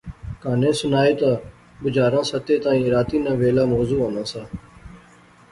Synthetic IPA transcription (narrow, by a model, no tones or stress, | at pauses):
kaːnẽːsʊnaːeːt̪aː | bʊd͡ʒaːɾãːsət̪eːt̪aːĩːɾaːt̪iːnãːʋeːlaːmoːzuːɦõːnãːsãː